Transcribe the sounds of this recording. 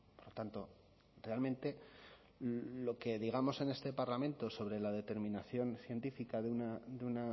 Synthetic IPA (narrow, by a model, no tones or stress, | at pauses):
poɾlot̪ant̪o̞ | realmẽ̞nt̪e̞ | lo̞ke̞ðiɣ̞amo̞se̞ne̞st̪e̞paɾlamẽ̞nt̪o̞so̞βɾe̞lað̞e̞t̪e̞ɾmĩnaθjo̞nθje̞nt̪ifikaðeunad̪euna